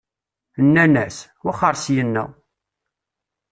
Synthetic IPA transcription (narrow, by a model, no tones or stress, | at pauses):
nːænæswaχəɾˤsjənːæ̰